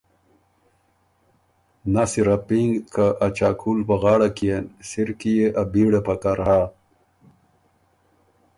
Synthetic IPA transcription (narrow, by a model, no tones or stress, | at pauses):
nasiɾapiŋɡkaʔat͡ɕakʰuːlpɐɣaːɽakiensiɾkijeʔabiːɽepɐkaɾɦaː